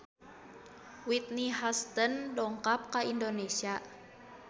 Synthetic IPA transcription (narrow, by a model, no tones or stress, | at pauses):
wit̪̚niɦast̪əndɔŋkap̚kaindonesia